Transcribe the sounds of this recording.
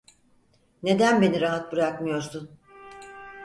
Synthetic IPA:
ne̞d̪ænbe̞niɾaɦat̪̚bɯɾakmɯjo̞ɾsun

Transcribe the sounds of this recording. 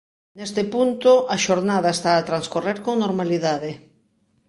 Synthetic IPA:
nest̪epunt̪oʔaʃoɾnaðaest̪aːt̪ɾanskoreɾkoŋnoɾmaliðaðe

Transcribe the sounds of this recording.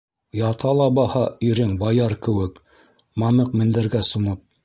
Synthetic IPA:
jɑt̪ʰɑlˠɑbɑhɑiɾɘŋbɑjɑɾkɘ̆wɘk | mɑnɤqmɘ̆nd̪ɘ̆ɾɡæsunɤp̚

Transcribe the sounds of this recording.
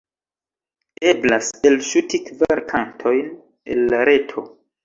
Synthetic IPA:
e̞blaselʃutikvaɾkʰantʰo̞jn | ḛlːaɾe̞tʰo̞

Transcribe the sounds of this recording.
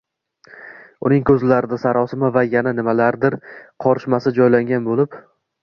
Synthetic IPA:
ʊnɪŋkʰɵzlaɾɪd̪asaɾɒsɪmavajananɪmalaɾd̪ɪɾqʰɒɾʃmasɪd͡ʒɒjlaŋɡʲanbolɪp

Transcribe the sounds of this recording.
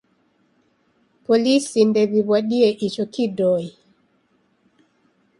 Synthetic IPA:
polisindɛβiβwaɗiɛʔit͡ʃɔkidɔi

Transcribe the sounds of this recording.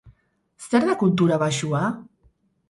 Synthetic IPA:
st̪ɛɾðəkulˠt̪uɾaβaʒua

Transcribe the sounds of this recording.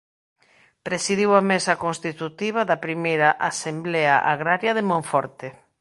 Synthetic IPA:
pɾesiðiwɐmesɐkonst̪it̪ut̪iβ̞ɐðɐpɾimejɾɐʔasemblea̰ʔaɣɾaɾjɐðemõɱfɔɾt̪e

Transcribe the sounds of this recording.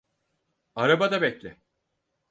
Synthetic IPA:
aɾabad̪abɛclʲɪ

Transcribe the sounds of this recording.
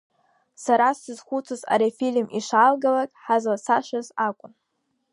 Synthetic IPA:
saɾasɨzχʷut͡sʰoza̰ɾefilʲmiʂalɡalakʼħazlasaʃazakʷʼʊn

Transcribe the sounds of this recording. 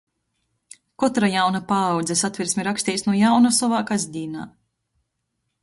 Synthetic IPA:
kɔt̪ɾajawnapaːwd̪zɛsat̪vʲiɾsʲmʲiɾakst̪iːsnuɔjawnasɔvaːkazʲd̪ʲiːna̰ː

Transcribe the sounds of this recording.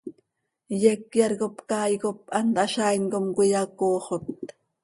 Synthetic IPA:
jekjɑɾɣopkɑːjkopʔɑnt̪ʔɑʃɑjŋkomkʊjɑkoːχot̪̚

